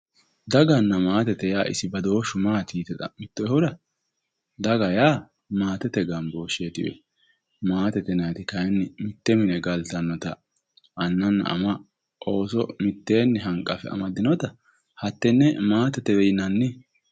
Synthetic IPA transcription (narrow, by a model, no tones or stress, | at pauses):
d̪ɐɡɐnːɐmaːt̪ɛt̪ɛjaːʔɪsɪbɐd̪o̞ːʃʊmaːt̪iːt̪ɛt̪ɐ̰mɪt̪ːɔhɔd̪ɐ | d̪ɐɡɐjaː | maːt̪ɛt̪ɛɡɐmboːʃeːt̪ɪ̰wɛ̰ | maːt̪ɛt̪ɛnɐt̪ɪkɐjnːɪmɪt̪ːɛmɪnɛɡɐlt̪ɐnːɔt̪ɐ | ɐnːɐnːɐ̰ʔɐ̰mɐ | ʔo̞ːsɔmɪt̪ːeːnːɛɦɐŋkʼːɐfɛɐ̰mɐd̪ɪnɔt̪ɐ | hɐt̪ːɛnːɛmaːt̪ɛt̪ɛdɛjɪnɐnːɪ